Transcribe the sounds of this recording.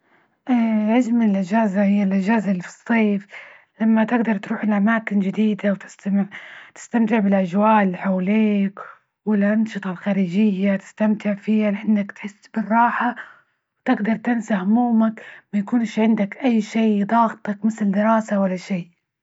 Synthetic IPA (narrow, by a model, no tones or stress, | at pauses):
ʔaʕazmɪnɪlʔɪd͡ʒaːzahɪjːalʔɪd͡ʒaːzalːfɨ̥sˤːeːf | lamːat̪ɪɡd̪ɑɾˤt̪ɾuːħɪlʔamaːkɪnd͡ʒɪd̪iːd̪awt̪ɪ̥st̪amɪʕt̪ɪ̥st̪amt̪ɪʕbɪlʔad͡ʒwaːʔlħawliːk | wɪlʔɑnʃɨt̪ˤɑlxaːɾiːd͡ʒɪjːat̪ɪ̥st̪amt̪ɪʕfiːhalɪʔanːakt̪ħɪsːbɪrˤːɑːħa | wt̪ɪɡd̪ɑɾˤt̪ɪnsahʊmuːmakmajakuːnɪʃʕɪnd̪akʔajːʃiːd̪ˤɑːɣt̪ˤɑkmɪθɪld̪ɪɾɑːsawalːaʃiː